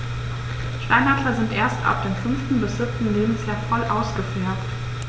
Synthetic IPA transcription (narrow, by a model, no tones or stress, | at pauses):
ʃtaɪnhatlɐzɪntʔeːɐsta̰ʊfd̥eːmfʏnftn̩bɪsz̥ɪp̚tn̩leːbm̩sjaːɐfɔlʔaʊsɡ̥əfeːɐt